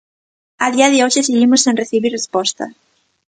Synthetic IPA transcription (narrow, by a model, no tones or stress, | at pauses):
aðiɐðɪoʃeseɣimʊsːẽnreθiβiɾrespɔst̪ɐ̰